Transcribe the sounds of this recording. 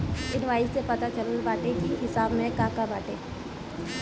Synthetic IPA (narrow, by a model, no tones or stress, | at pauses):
ɪnʋaːisepɐt̪at͡ʃɐləlbaːʈekiɦɪsaːbmẽkaːkabaːʈẽ